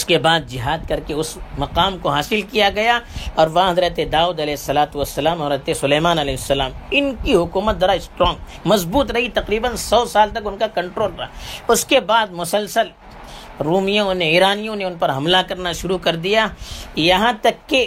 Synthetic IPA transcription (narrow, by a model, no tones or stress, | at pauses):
ʊskebaːd̪̚d͡ʒɪɦaːd̪̚kɐɾkeʊsmɐqaːmkoɦaːsɪlkijaɡɐjaɔːɾʋɐɦãɦɐd̪ɾət̪ed̪aːuːd̪ɐlɛːɦɪsːɐlaːt̪uʋɐsːɐlaːmɦɐdɾət̪esʊlɛːmaːnɐlɛːɦɪsːɐlaːmɪnkiɦʊkuːmət̪̚d̪ɐɾaːɪsʈɾɔ̃ːŋɡ | mɐzbuːt̪ɾɐɦit̪ɐqɾiːbənsɔːsaːlt̪ɐkʊnkakɐ̃ɳʈɾoːlɾɐɦaʊskebaːd̪̚mʊsəlsəl | ɾuːmijõnẽiːɾaːnijõneʊnpɐɾɦɐmlakɐɾnaʃʊɾukɐɾd̪ijajɐɦãt̪ɐkːe